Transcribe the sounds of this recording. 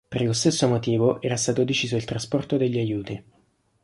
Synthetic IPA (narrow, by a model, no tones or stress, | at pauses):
perlost̪esːomot̪iːvoʔɛːɾast̪aːt̪od̪it͡ʃiːzoilt̪ɾaspɔrt̪od̪eʎːiajuːt̪i